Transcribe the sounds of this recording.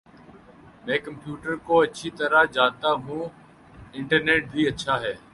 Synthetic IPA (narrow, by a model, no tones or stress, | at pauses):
mɛ̃ːkəmpjuːʈəɾkoːətːʃʰiːt̪əɾaːd͡ʒaːnt̪aːɦũː | ɪɳʈəɾneːʈ̚d̪ʱiːətːʃʰaːɦɛː